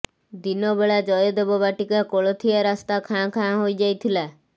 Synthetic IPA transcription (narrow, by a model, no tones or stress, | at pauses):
d̪inɔbeɭad͡ʒɔjɔd̪ebɔbaʈikakoɭɔt̪ʰijaɾast̪akʰãkʰãɦojd͡ʒajt̪ʰila